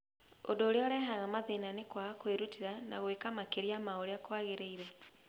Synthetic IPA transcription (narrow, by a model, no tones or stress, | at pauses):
o̰doːɾeɔɾɛːɦaɣamaðenanekwaɣakweɾutiɾanaɣoekamakeɾiamaoɾeakwaɣeɾeiɾɛ